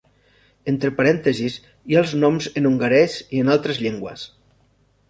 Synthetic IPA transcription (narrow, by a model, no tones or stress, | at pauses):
ent̪ɾepaɾɛnt̪əzis | ialˠznɔmzenuŋɡəɾɛzienalˠt̪ɾəzʎeŋɡwə̰s